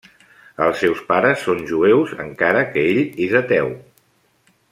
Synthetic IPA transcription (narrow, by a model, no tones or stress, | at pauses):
əlˠsːɛwspaɾəsːonʲʒuewzə̰ŋkaɾəkəeʎezət̪ɛw